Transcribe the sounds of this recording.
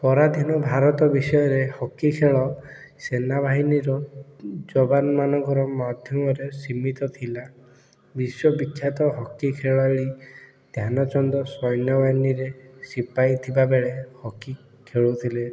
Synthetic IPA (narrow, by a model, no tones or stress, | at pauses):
pɔɾad̪ʱinɔbʱaɾɔt̪ɔbisɔjɔɾehɔkːikʰeɭɔ | senabʱaɦiniɾɔd͡ʒɔbanɔmanɔŋkɔɾɔmad̪ʱjɔmɔɾesimit̪ɔt̪ʰila | biswɔbikʰːjat̪ɔɦɔkːikʰeɭɔeɭi | d̪̥ʱjanɔt͡ʃɔnd̪ɔsɔjnjɔbʱaɦiniɾesipajt̪ʰibabeɭehɔkːi | kʰeɭut̪ʰile